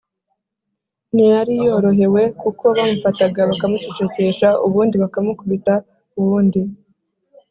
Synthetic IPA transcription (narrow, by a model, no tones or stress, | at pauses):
nijaɾijo̞ɾo̞ɦe̞we̞kuko̞βamufataɡaβakamut͡ʃit͡ʃece̞ʃaʔuβuːndiβakamukuβita | uβuːndi